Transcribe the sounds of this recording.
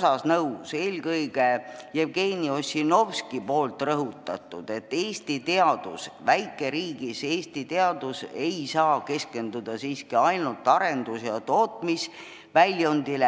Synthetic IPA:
sɑsnɤwse̞ːlkɤjɡ̥ejevɡe̞ːnio̞sʲːino̞vskipo̞ːlt̪rɤɦut̪ːˑɑt̪ˑːud̪̥e̞t̪ːe̞ːst̪it̪e̞ɑd̪̥ṵsvæjkːˑe̞ɾiːɡise̞ːst̪it̪e̞ɑd̪use̞jsɑːke̞ske̞nd̪̥ud̪̥ɑsiːskiɑjnult̪ːˑɑɾe̞nd̪̥usjɑt̪o̞ːt̪ˑmis | vælʲjond̪̥ile

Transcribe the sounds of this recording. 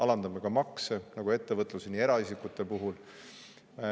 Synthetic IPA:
ɑlɑnd̪̥ɑmeɡ̥ɑmɑksenɑɡ̥ue̞t̪ːe̞vɤt̪ˑlusenie̞ɾɑisikut̪ːˑe̞puɦul

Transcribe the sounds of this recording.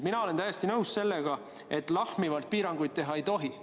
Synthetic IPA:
minɑo̞le̞nt̪æjest̪inɤwsse̞lːeɡ̥ɑ | ʔe̞t̪ːˑlɑhmivɑlt̪̚piːɾɑŋɡ̥ujd̪̚t̪e̞ɦɑe̞jt̪o̞ɦi

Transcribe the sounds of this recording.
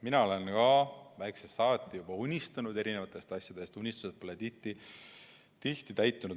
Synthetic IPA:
minɑo̞le̞nkɑvæjksesɑːt̪ˑːijubɑunʲist̪ɑnud̪e̞ɾine̞vɑt̪ːˑe̞st̪ɑsʲjɑd̪̥e̞st̪unʲːist̪uset̪̚po̞let̪iht̪i | t̪iht̪it̪æjt̪ˑːunu

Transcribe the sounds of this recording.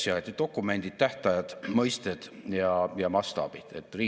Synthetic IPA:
siɑt̪id̥̪o̞kˑːume̞nʲd̪̥it̪̚t̪æht̪ɑjɑd̪̥mɤjst̪ed̪̥jɑjɑmɑst̪ɑ̰b̥id̪̥ḛt̪ːriː

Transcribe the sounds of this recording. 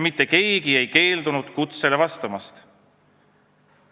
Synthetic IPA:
mit̪ːe̞ke̞ːɡie̞jke̞ːld̪unud̪̥kut̪se̞le̞vɑst̪ɑmɑst̪

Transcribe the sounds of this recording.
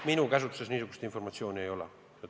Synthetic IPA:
minukɑsut̪ːu̥sesniːsuku̥st̪iɱformɑt̪sijoːniejolɑ̰ | jot̪

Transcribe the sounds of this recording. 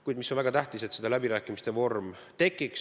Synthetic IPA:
kujd̪̥misonvæɡ̥ɑt̪æht̪ise̞t̪ːsed̪ɑlæbiɾæːkːˑimist̪e̞vo̞rm | t̪e̞kːˑiks

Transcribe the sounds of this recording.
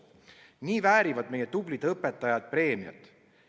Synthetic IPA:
niːvæːɾivɑd̪̥me̞jet̪ublid̪ɤpːe̞t̪ːˑɑjɑd̪̥̚pre̞ːmiɑ̰t̪ˑ

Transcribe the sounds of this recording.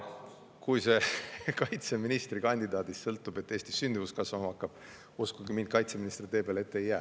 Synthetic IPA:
kujse̞kɑjt̪se̞minist̪rikɑnʲd̪id̪ɑːd̪̥issɤlt̪ːˑub̥e̞t̪ːˑeːsʲt̪isːynd̪̥ivuskɑsvɑmɑɑkːɑb̥ | uskuɡimind̪̥kɑjt̪seminist̪rit̪e̞ːpelet̪ːeejːæː

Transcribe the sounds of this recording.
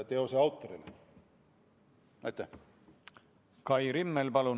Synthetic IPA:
t̪eoseɑwt̪ːoɾile | æt̪ːæ | kɑjɾimːelpɑlu

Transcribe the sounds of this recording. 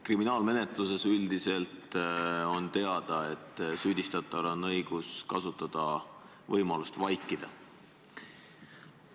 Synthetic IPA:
kriminɑːlme̞ne̞t̪luse̞syld̪ise̞lt̪o̞nt̪e̞ɑd̪̥ɑe̞t̪ːˑsyːd̪̥ʲist̪ɑt̪ːˑɑlonːɤjɡ̥uskɑsut̪ːˑɑd̪̥ɑ | vɤjmɑlust̪vɑjkːˑid̪̥ɑ

